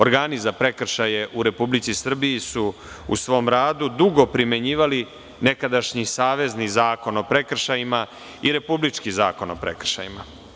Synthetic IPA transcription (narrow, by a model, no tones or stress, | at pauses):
oɾɡaːnizapɾe̞kr̩ʃajeʔuɾe̞publit̪sisr̩bijisu | ṵsʋo̞ːmɾaːd̪ud̪uɡo̞pɾime̞ɲiːʋali | ne̞kad̪aʃɲisaːʋe̞znizaːko̞no̞pɾe̞kr̩ʃajima | iɾe̞publit͡ʂkizaːko̞nopɾḛkr̩ʃa̰jima̰